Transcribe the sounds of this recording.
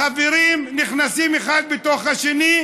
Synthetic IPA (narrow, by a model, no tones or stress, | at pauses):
aveɾimniχnasimeχad̪̚bet̪oχaʃeni